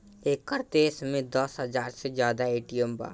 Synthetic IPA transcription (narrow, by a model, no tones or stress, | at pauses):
eːkəɾt̪eːsmẽd̪ɔsɦɐzaːɾsed͡ʒjaːd̪aeːʈijəmba̰ː